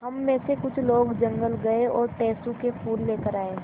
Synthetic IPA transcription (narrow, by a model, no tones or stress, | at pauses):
ɦɐmːẽːsekʊt͡ʃʰloːɡd͡ʒɐ̃ŋɡəlɡɐeɔːɾʈɛːsũkefʰuːlːeːkəɾaːeː